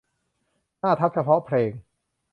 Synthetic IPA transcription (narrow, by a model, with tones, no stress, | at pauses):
naː˥˩t̪ʰa˦˥p̚t͡ɕʰa˧pʰɔ˦˥pʰɾeː˧ŋ